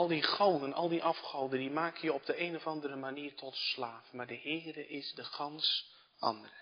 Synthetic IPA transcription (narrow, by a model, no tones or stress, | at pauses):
ɑlˠdiχowdənɑ̰lˠdiʔɑfχowdəndimaːkəjəɔp̚dəeːnɔvɑndəɾəmaniːrtʰɔtslaːfmaːɹdəhɪːrəʔɪsdəχɑns | ʔɑ̰ndərə